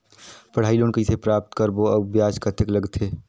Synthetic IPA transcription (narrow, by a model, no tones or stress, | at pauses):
pəɽ̤aːiloːnkɐisepɾaːp̚t̪kəɾboɐbjaːd͡ʒkət̪ʰekləɡt̪ʰeː